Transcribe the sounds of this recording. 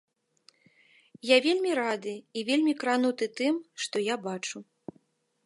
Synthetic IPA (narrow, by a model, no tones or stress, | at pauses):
javʲelʲmʲiɾad̪ɨivʲelʲmʲikɾanut̪ɨt̪ɨmʂt̪ɔjabat͡ʂu